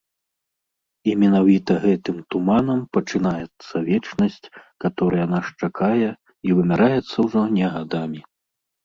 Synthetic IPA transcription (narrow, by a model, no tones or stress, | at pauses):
imʲɛnavʲit̪ɐɣɛt̪ɨmt̪umanɐmpɐt͡ʂɨn̪ajɛt̪sːɐvʲɛt͡ʂnɐsʲt͡sʲkat̪ɔɾɨjanaʂt͡ʂakʰajɛ | ivɨmʲaɾajɛt̪sːɐwʐɔnʲɛɣad̪amʲi